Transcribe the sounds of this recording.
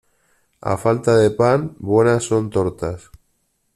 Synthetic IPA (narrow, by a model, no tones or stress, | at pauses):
a̰falt̪aðepanbwenasːont̪oɾt̪as